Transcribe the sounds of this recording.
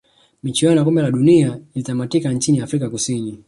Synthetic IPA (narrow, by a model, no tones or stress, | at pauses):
mit͡ʃianakɔmbɛlaɗuniailitamatikaɲt͡ʃiniafɾikakusini